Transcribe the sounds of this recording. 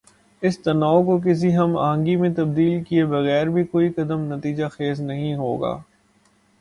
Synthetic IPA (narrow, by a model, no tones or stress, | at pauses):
ɪst̪ɐnaːokok̬ɪs̬iɦɐma̰ːɦə̃ŋɡimẽt̪ɐb̚d̪iːlkiebɐɣɛːɾbʱikoːikɐd̪əmnɐt̪iːd͡ʒaxeːznɐɦĩɦoːɡa̰ː